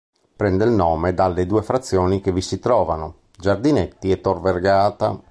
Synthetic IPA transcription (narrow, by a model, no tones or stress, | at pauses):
pɾɛnd̪elnɔːmed̪alːed̪uːefɾat̪sːjɔːnikevisit̪ɾɔːvano | d͡ʒard̪inet̪ːiɛt̪ːorverɡaːt̪a̰